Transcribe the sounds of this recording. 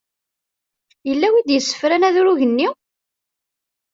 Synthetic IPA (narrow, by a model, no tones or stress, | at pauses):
jəlːæwid̪jəsːə̥fɾænæðʊɾuʝənːi